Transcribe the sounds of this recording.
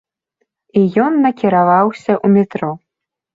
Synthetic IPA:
ijɔnːɐkʲiɾavawsʲɐʔumʲɛt̪ɾɔ

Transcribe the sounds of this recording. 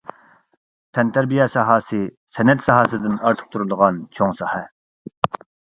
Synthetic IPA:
t̪ʰɛnt̪ʰæɾbijɛsɑɦɑːsɨ | sɛnɛt̪sɑɦɑːsɨd̪ɪnɑɾt̪ʰə̥q̚t̪ʰuɾud̪əʁɑnt͡ʃʰoŋsɑhɛ

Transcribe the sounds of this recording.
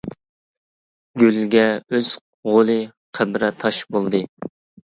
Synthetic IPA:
ɡʲylɡʲɛøz̥ | ʁolˠɨ | qʰæbɾɛt̪ʰɑʃbolˠd̪ɨ

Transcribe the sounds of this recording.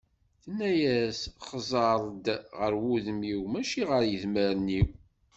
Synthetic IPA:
θənːæjæsχzˤɑɾˤd̪ʁəɾwuðəmiwmæʃiʁəɾjəðməɾniw

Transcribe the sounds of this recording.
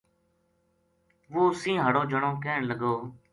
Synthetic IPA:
ʋoːsĩːɦəɽoːd͡ʒʱəɳõːkeːɳləɡoː

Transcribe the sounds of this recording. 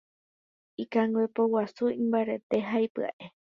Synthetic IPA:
ikaŋɡwepowasuĩmbaɾe̞t̪e̞ɦajpɨa̰ʔe

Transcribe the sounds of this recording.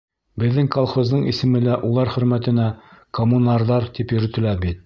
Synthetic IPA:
bɘ̆ðːɘŋkolˠχozd̪ɤɴḭsɘ̆mɘ̆læʔulˠɑɾχɵ̆ɾmæt̪ɘ̆nækomunɑɾðɑɾt̪ipjɵ̆ɾɵ̆t̪ɘ̆læɾbit̪̚

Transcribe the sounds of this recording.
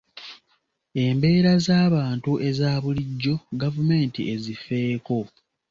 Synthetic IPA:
e̞mbe̞ːɾazaːβaːntuʔe̞zaːβuliɟːo̞ɡavume̞ːntḭe̞zife̞ːko̞

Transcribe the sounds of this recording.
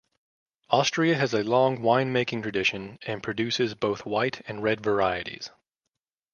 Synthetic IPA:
ɔstɹ̥iɨɨzɨlɔ̃ŋwãɪ̃nmeɪkɪ̃ŋtʰɹ̥ɨdɪʃɨ̃nɨ̃npʰɹ̥ɨdʉsɨzboʊθwaɪɾɨ̃nɹɛdvə˞aɪɨɾḭz̥

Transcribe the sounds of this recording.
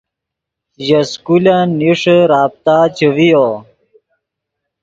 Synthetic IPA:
jɐskulaniʂɾaːp̚t̪aːt͡ɕəwijo

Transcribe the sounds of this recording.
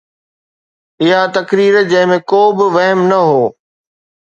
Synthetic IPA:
ɪɦat̪ɐkɾiːɾd͡ʑɐ̃ɦɪ̃mẽkoːbɪʋɐɦmnɐɦoː

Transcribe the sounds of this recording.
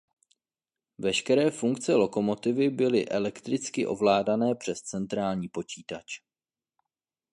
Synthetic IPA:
vɛʃkɛɾɛːfuŋkt͡sɛlo̞ko̞mo̞t̪ɪvɪbɪlɪʔɛlɛkt̪ɾɪt͡skɪʔo̞vlaːdanɛːpr̝̥ɛst͡sɛnt̪ɾaːlɲiːpo̞t͡ʃiːt̪at͡ʃ

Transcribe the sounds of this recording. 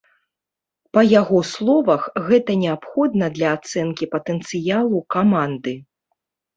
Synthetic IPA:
pɐjaɣɔslˠɔvɐxɣɛt̪ɐnʲɛapxɔd̪nɐd̪lʲɐːt̪sɛnkʲipɐt̪ɛnt̪sɨjalˠukamand̪ɨ

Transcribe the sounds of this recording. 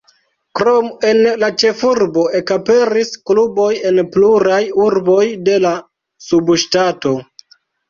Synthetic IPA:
kɾome̞nlat͡ʃe̞fuɾbo̞e̞kape̞ɾisklubo̞je̞npluɾajuɾbo̞jde̞la | subʃtato̞

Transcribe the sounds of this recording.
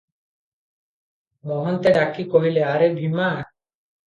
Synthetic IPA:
mɔɦɔnt̪eɖakikoɦileaɾebʱima

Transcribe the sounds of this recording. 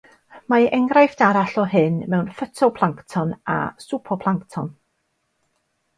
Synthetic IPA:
maʔɛŋɾajfd̥aɾaɬɔɦɪnmɛwnfətʰɔpʰlˠaŋktʰɔna̰supʰɔpʰlˠaŋktʰɔn

